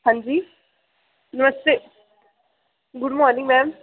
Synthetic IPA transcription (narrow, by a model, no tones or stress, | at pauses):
ɦãnd͡ʒiː | nəməst̪e | ɡʊɖmɔːɾnĩŋɡmɛ̃ːm